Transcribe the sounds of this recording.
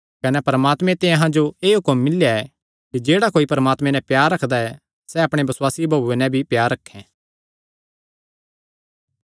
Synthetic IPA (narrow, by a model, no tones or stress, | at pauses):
kɐnɛpɐɾəmaːt̪mɛ̃t̪ẽɐɦãd͡ʒoeːɦʊkəmːɪljaɛ | kid͡ʒeːɽakoːipɐɾəmaːt̪mɛ̃nɛ̃pjaːɾːɐkʰd̪aɛ | sɛɐpɽ̃ebɐswaːsibʱɐbuenɛ̃bʱipjaːɾːɐkʰːɛ̃ː